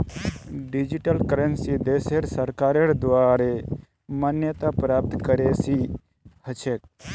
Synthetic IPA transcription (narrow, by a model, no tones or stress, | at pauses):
ɖɪd͡ʒiʈəlkəɾənsid̪eːseɾsəɾkaːɾeɾd̪ʋaːɾe | mənjət̪apɾaːp̚t̪kəɾesi | hət͡ʃʰek̚